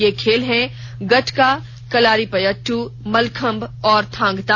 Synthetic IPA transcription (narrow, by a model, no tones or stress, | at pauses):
jekʰeːlɦɛ̃ | ɡɐʈʰka | kɐlaːɾipɐjəʈʰːumɐlkʰə̃mbɔːɾt̪ʰãːŋɡt̪a